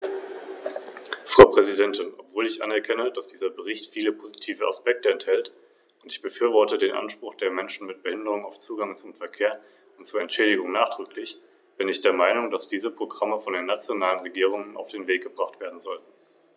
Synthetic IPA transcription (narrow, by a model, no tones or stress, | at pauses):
fʁ̥aʊpʁ̥ɛzidɛntɪnʔɔpv̥oːlɪçʔa̰nɛɐkʰɛnəd̥asd̥iːzɐbəʁ̞ɪçtfiːləpʰozitʰiːvəa̰spɛk̚təɛnthɛlt | ʊntɪçb̥əfyːɐvɔɐtədeːnʔa̰nʃpʁ̥ʊχd̥eːɐmɛnʃn̩mɪt̚b̥əhɪndəʁ̞ʊŋaʊft͡suːɡaŋt͡sʊmfɛɐkʰeːɐ | ʊntt͡suːɐɛntʃɛːɾɪɡʊŋnaːχd̥ʁ̥ʏklɪç | b̥ɪnɪçd̥eːɐmaɪnʊŋdasd̥iːzəpʁ̥oɡʁaməfɔndeːnːat͡sjonaːlənʁeɡiːʁ̞ʊŋənʔa̰ʊfd̥eːnveːk̚ɡ̥əbʁaχtv̥eːɐdn̩zɔltn̩